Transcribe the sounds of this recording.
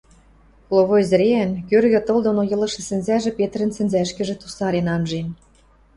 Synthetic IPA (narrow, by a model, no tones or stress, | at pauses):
lˠoβoezɘ̆ɾeænkørɣɘ̆t̪ɤ̆ld̪onojɤ̆lɤ̆ʃĕsɘ̆nzæʒĕpet̪̆ɾə̆nsɘ̆nzæʃkɘ̆ʒĕt̪usɑɾenɑmʒen